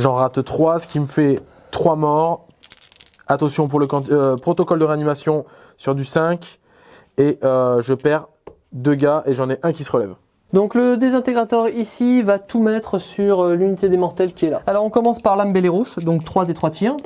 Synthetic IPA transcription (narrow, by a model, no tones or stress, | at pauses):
ʒɑ̃ʁat̪t̪χwasə̥kʲiməfɛ | t̪χwamɔʁ | at̪ɑ̃sjɔ̃p̬uʁləkɑ̃t̪pχɔt̪ɔkɔld̪əʁeanimasjɔ̃ | syʁd̪ysɛ̃kʲ | eʔøʒəpɛʁ | d̪øɡaʔeʒɑ̃nɛʔɛ̃kʲisəʁəlɛv | d̪ɔ̃kləd̪ezɛ̃t̪eɡʁat̪ɔʁisivat̪umɛt̪χəsyʁlynit̪ed̪emɔʁt̪ɛlkʲiɛlaalɔʁɔ̃kɔmɑ̃spaʁlambeleʁosd̪ɔ̃kt̪χwad̪et̪χwat̪jɛ̃